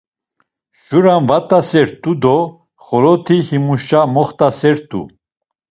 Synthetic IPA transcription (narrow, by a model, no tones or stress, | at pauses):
ʃuɾanvat̪ʼasɛɾt̪ʼud̪ɔ | χɔɾɔt̪ʰihimuʃt͡ʃamɔχt̪ʼasɛɾt̪ʰʼṵ